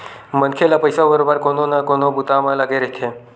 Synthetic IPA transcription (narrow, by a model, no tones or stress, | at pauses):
mənkʰelapəjsabəɾobəɾkononakonobut̪amalaɡeɾeɦt̪ʰe